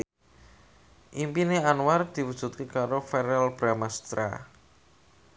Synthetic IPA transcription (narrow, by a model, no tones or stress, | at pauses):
ʔimpineanward̪̥i̤wud̥ʒ̥ṳt̪̚kekaɾofɛɾɛlb̥ɾamast̪ɾa̰